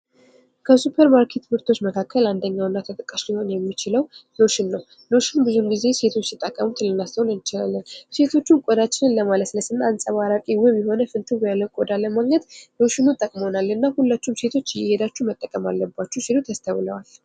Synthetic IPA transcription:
kʰəsupʰeɾmaɾkʰe̞t̪bɨɾt̪ʰo̞t͡ʃːməkʰakʰːəland̪əɲːawɨnːat̪ʰət̪ʼɨkʼːaʃliho̞njɛmːit͡ʃɪləwlo̞ʃɪnːəw | no̞ʃɪnbɨzumɡize̞se̞t̪ʰo̞t͡ʃ̪ːɪt̪ʼəkʼːəmut̪ʰɨlːɨnːast̪ʰəwnɨnt͡ʃɪla̰lːənse̞t̪ʰo̞t͡ʃːunkʼod̪at͡ʃːɪnɨnləmaləsləsɨnːansʼəβaɾakʼiwɔmjɛɦo̞nəfɨnt̪ʰɨbəjalːəwkʼod̪aləmaɡɲət̪no̞ʃɪnut̪ʼəkʼmonalːɨnːahulːat͡ʃːumse̞t̪ʰo̞t͡ʃːjɪhed̪at͡ʃːumət̪ʼːəkʼəmalːəbːat͡ʃːɛusilut̪ast̪ʰəwləwal

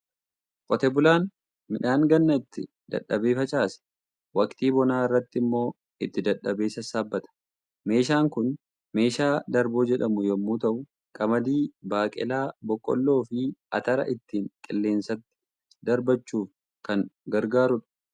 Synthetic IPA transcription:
kʼɔt̪ɛbʊlaːn | mɪᶑaːŋɡɐnːɐɪt̪ːɪ | d̪̥ɐ̰ᶑːɐbe̞ːfɐt͡ʃʼaːsɛ̥ | wɐkt̪iːbɔnaːɪrːɐt̪ːɪmːo̞ː | ɪt̪ːɪd̪ɐᶑɐbe̞ːsɐsaːbːɐt̪ɐ̥ | me̞ːʃaːŋkʊn | me̞ːʃaːd̪ɐɾbo̞ːd͡ʒɛᶑɐmʊjɔmːuːt̪ɐʔʊ | kʼɐmɐd̪iːbaːkʼɪ̰laːbɔkʼːɔ̰lːo̞ːfɪɐt̪ɐɾɐ̰ʔɪt̪ːiːŋkʼɪlːe̞ːnsɐt̪ːɪ̥ | d̪ɐɾbɐt͡ʃːuːf | kɐŋɡɐɾɡaːɾʊᶑɐ̥

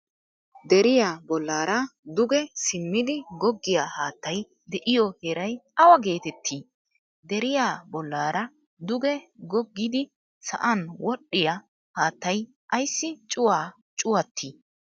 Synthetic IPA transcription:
d̪ɛɾɪjaːbɔlːaːɾɐd̪ʊɡɛsɪmːɪd̪ɪɡɔɡːɪjaːhaːt̪ːɐj | d̪ɛʔɪjɔheɾɐjɐwɐɡe̞ːt̪ɛt̪ʰːiː | d̪ɛɾɪjaːbɔlːaːɾɐ | d̪ʊɡɛɡɔɡːɪd̪ɪ | sɐ̰ʔɐnwɔɗːɪja | haːt̪ːɐj | ʔɐjsːɪt͡ʃʼʊwaː | t͡ʃʼʊwɐt̪ʰːiː

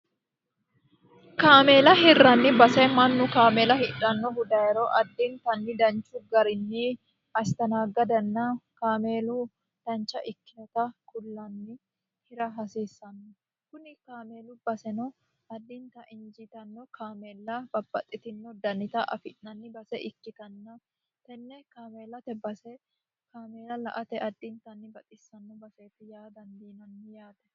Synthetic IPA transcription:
kaːmeːlɐɦɪrːɐnːɪbɐsɛmɐnːʊkaːmeːlɐhɪᶑɐnːɔhʊd̪aːɛɾoʔɐd̪ːint̪ɐnːɪd̪ɐnt͡ʃːʊɡɐɾɪnːi | ɐst̪ɐnaːɡɐd̪ɐnːɐkaːmeːlu | d̪̥ɐnt͡ʃːɐʔɪkːɪnɔt̪ɐkʊlːɐnːɪ | hɪɾɐɦɐseːsːɐnːɔ | kʊnɪkaːme̞ːlʊbɐsɛnɔ | ɐd̪ːɪnt̪ɐʔɪnd͡ʒɪt̪ɐnːɔkʰaːmeːlːɐbɐb̥ɐt̪ʼːɪt̪ɪnːɔd̪ɐnɪt̪ɐʔɐ̰fɪʔːɐnːɪbɐsɛʔɪkːɪt̪ɐnːɐ | t̪ɛnːɛkaːme̞ːlːɐt̪ɛbɐsɛ | kaːmeːlɐlɐ̰ʔɐt̪ɛʔɐd̪ːɪnt̪ɐnːɪbɐt̪ʼɪsːɐnːɔbɐse̞ːt̪ːɪjaːd̪ɐnd̪iːnɐnːɪjaːt̪ɛ

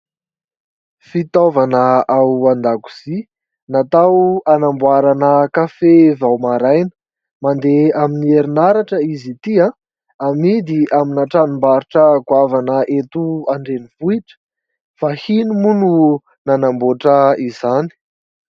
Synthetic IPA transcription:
fit̪ovanəawand̪aku̥z̥i | nat̪awanambuaɾanəkafevawmaɾajnə̥ | mand̪eaminieɾinaɾaʈ͡ʂəizit̪iã | amid̪iʔaminaʈ͡ʂanimbaɾiʈ͡ʂəkwavanəʔet̪uaɳɖ͡ʐenivuiʈ͡ʂə̥ | fahinumunu | nanamboʈ͡ʂəizani̥

